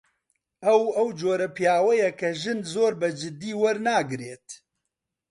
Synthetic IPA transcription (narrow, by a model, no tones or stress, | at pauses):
ɐwɐwd͡ʒoːɾɐpijaːwɛjɛkʰɐʒɨnzoːɾbɐd͡ʒɪd̪iːwɐɾnaːɡɨɾeːt̪